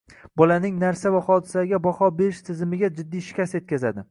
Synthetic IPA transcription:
bɒlanɪŋnaɾsavaχɒd̪ɪsaɡʲabɒhɒbe̞ɾɪʃt̪ʰɪzɪmɪɡʲad͡ʒɪd̪ːiʃkʲase̞t̪̚kʲazad̪ɪ

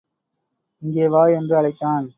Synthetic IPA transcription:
ɪŋɡeːʋaːjɛndrɯɐɭɐɪt̪ːaːn

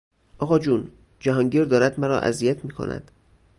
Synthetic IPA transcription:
ʔɒːɣɒːd͡ʒuːn | d͡ʒæɦɒːŋɟiːɾd̪ɒːɾæd̪mæɾɒ̰ːʔæ̰zijæt̪ʰmiːkʰo̰nʔæ̰d̪̥

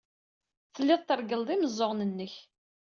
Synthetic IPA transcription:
θəlːɪðˤt̪ːəɾˤɡəld̪ˤiməzˤːoʁnənːəç

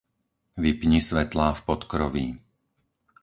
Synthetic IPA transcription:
ʋipɲisʋɛt̪laːfpɔt̪kɾɔʋḭ

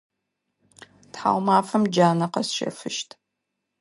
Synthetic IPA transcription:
tħa̰ːwmaːfɐmd͡ʒaːnɐqɐsʃḛfɨʃtʰ

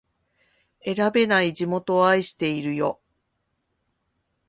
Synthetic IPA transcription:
e̞ɾabe̞naid͡ʑimo̞t̪o̞aiɕi̥t̪e̞iɾɯ̟jo̞

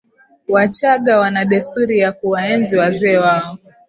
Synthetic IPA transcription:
wat͡ʃaɠawanaɗɛstuɾijakuwaɛnziwazɛːwaɔ

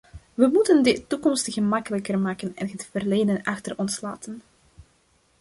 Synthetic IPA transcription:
ʋəmutəndətːukɔmstɣəmɑkələkərmaːkənɛnətfərleːdənɑxtərɔnsla̰ːtən

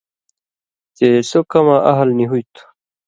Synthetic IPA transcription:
t̪esokɐmaʔɐɦlniɦujt̪ʰu̥

